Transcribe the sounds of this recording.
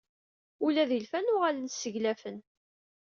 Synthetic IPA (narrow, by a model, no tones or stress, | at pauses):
ulæðilfænʊʁalənsəʝlæfən